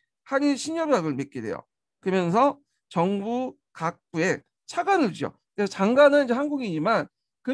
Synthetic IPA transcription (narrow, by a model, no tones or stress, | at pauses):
haɲiɕʰiɲjʌbjaɡɯɭmek͈ede̞̰jo̰ | kɯɾʌmjʌns̬ʰʌ | t͡ɕʌŋbu | kak̚p͈ue̞ | t͡ɕʰaɡanɯɭt͡ɕio̰ | kesʰʌt͡ɕaŋɡanɯnind͡ʑe̞hanɡuɡiɲiman | kɯ